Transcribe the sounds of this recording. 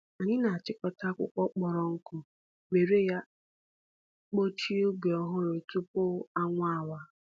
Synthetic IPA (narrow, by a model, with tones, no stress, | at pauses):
a˨ɲɪ˦na˨a˨t͡ʃɪ˦kɔ˨ta˦kʷʊ̰˦kʷɔ˦k͡pɔ˨ɾɔ˦ŋ̩˦kʊ˦ | ɡ͡be˨ɾe˦ja˦ | k͡po˦t͡ʃi˦o˦ɡe˨ɔ˦ɦʊ˦ɾɪ˨tʊ˦pʊ˦a˦ŋʷa˦˨wa˦